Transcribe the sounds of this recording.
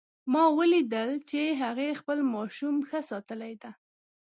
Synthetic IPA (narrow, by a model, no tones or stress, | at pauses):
mɑwəlid̪əlt͡ʃeɦaɣexpəlmɑʃumxəsɑt̪əlajd̪a